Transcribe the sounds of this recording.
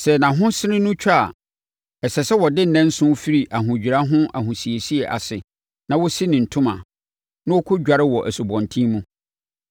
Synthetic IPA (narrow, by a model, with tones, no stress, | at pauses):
sɛ˨nã˨ɦʊ̃˦sɪ˦ɾɪ̃˦nʊ̃˦t͡ɕʰᶣa˦a˨ | ɛ˨sɛ˨sɛ˦wɔ˨dɪ˦n̩˨nɛ̃˦n̩˦sʊ̃˦fi˦ɾi˨ʔa˨ɦʊ̃˨d͡ʑᶣi˨ɾa˦ɦʊ̃˦ʔa˨ɦʊ̃˨si˨e˨si˦ɛ˨ʔa̰˨sɪ˨ | nã˦wʊ˦si˦nɪ̃˨n̩˨tʰʊ̃˦mã̰˨ | nʊ̃˦ɔ˦kʰʊ˦d͡ʑᶣa˨ɾɪ˦wɔ˨ʔæ˨su˨bɔ̃˨ntʰĩ˦mũ˦